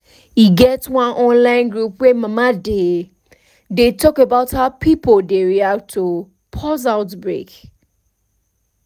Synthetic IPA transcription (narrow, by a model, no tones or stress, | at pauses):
hiɡɛtwãnʔɔ̃nlãɪ̃nɡɹupwemamade | detɔkebaʊthawpʰipʰoldeɹiak̚tʰo | pʰɔzaʊtbɹḛk